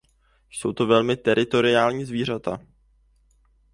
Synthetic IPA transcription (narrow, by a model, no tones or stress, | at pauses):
so̞wt̪o̞vɛlmɪt̪ɛɾʔɪt̪o̞ɾɪaːlɲiːzviːr̝at̪a